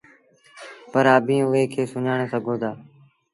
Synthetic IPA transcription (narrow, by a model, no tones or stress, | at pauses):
pəɾaːbʱĩːʊɦeːkʰeːsʊɲaːɳ̃eːsəɡʱoːd̪aː